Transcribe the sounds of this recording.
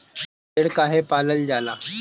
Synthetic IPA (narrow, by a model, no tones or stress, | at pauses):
eɽkaɦepaləld͡ʑala